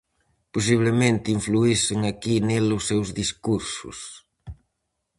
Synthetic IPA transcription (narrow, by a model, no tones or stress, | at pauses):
pos̬iβlemẽnt̪ɪiɱfluisɪŋakinelʊsːewzðiskuɾsʊ̰s